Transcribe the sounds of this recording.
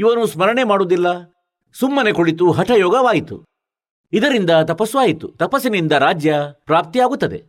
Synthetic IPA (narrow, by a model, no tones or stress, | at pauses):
iʋɐnusmɐɾɐɳe̞maːɽud̪ilːɐ | sumːɐne̞koɭit̪̬uɦɐʈʰɐjɔːɡɐʋaːjit̪ṵ | id̪ɐɾind̪ɐt̪ɐpɐsʋaːjit̪ut̪ɐpɐsinind̪ɐɾaːd͡ʒjɐpɾaːp̚t̪ijaːɡut̪ːɐd̪ḛ